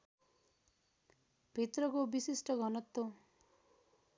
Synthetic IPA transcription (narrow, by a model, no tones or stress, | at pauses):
b̥ʱit̪rʌkobisisʈʌɡʱʌnʌt̪ːo